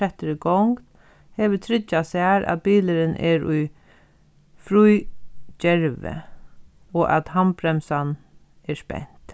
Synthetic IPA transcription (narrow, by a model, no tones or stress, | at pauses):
ɛht̪əɾɪɡɔŋkt̪ | hɛːʋɪt̪ʰɾɪt͡ʃːasaɾa̰ðbiːləɾɪnʔɛ̰ɹʊj | fɾujd͡ʒɛɹʋɪ̰ | ɔʔa̰t̪hampɾɛmsan | ɛspɛ̰n̥t̪